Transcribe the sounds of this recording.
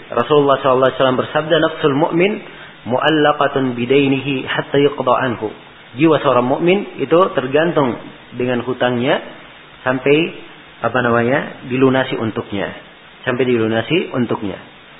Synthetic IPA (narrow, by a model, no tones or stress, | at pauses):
rɔsululːɑhsɔlalːɑsalambərsab̚danafsʊlmʊ̰ʔmɪn | muʔalːɑqɑt̪bidajniɦiħat̪ːajʊqd̪ɑʕanɦṵ | d͡ʒiwasəoɾaŋmʊʔmɪnit̪ut̪ərɡant̪ʊŋ | dəŋanɦut̪aŋɲa | sampɛj | ʔapanamaɲadilunasiʔunt̪ʊk̚ɲa̰ | sampajdilunasiʔunt̪ʊk̚ɲa̰